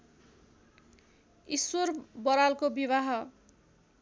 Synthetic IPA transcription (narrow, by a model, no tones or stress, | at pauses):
isworbʌɾalkobiβaɦʌ